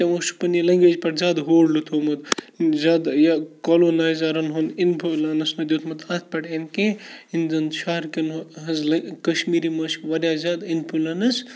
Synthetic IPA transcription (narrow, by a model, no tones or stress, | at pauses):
t̪emosu̥pɐnilɐŋɡed͡ʒpɐʈzad̪ɦoːɽlut̪ʰomɐd̪ | zad̪jakɐlonazɐɾɐnɦuninpʰulɐnɐsnɐd̪jot̪ʰmɐt̪at̪̚ʰpɐʈenkẽind̪ɐnʃɐɦɾkenɦɐnzlɐkɐʃmiɾimɐsʋɐɾʲjazad̪inpʰulɐnɐs